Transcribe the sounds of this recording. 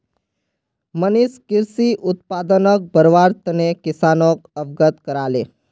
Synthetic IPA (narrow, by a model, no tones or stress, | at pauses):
məniskiɾsiːʔut̪̚pad̪ənək̚bʱəɾʋaɾt̪ənekisanok̚əbɡət̪kəɾale